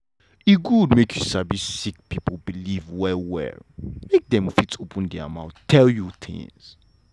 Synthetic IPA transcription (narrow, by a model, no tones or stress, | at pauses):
iɡudmekʰjusabissik̚piplbilivwɛwɛ̰mek̚d̪ɛ̃mfitopʰə̃ndɛmãʊttʰɛljuθʰɪ̰̃ŋz̥